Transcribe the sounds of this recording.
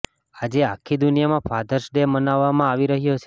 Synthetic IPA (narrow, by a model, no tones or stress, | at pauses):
ad͡ʒeakʰid̪unjamãpʰad̪ʱəɾʃɖemənaʋːamãaʋiɾəɦjot͡ʃʰe